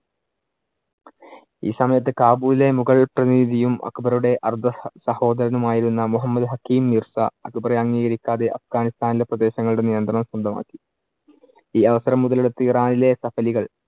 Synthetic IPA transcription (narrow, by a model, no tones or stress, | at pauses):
ḭːsɐmɐjɐt̪̬ːɨkaːbuːlile̞muɣɐɭprɐniːd̪ʱijumʔɐ̰kbɐruɽe̞ʔɐrd̪ʱɐsɐho̞ːd̪ɐɾɐnumaːjiɾunːɐmuɦɐmːɐd̪ɦɐkːiːmnirsɐ̰ɐkbɐreɐŋːiːɣɐɾikʲːaːðe̞ʔɐfɡaːnist̪aːnile̞prɐd̪e̞ːɕɐŋːɐɭuɽe̞nijɐnd̪rɐɳɐmsɐnd̪ʱɐma̰ːkːi̥ | iːɐʋɐsɐɾɐmːuðɐleɽut̪ːɨiraːnile̞sɐfɐliɣɐɭ